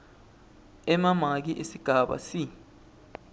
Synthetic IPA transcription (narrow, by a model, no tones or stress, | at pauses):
ɛmamak̬iʔesiɡ̥ʱaɓa̰si